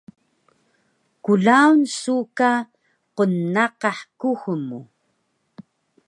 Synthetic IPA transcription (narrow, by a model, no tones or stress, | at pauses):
kuɮaunsuka | qonːaqɑħkuxmu